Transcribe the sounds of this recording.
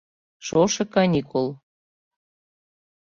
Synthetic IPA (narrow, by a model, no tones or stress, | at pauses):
ʃoʃɤ̆kɑnʲikʰolˠ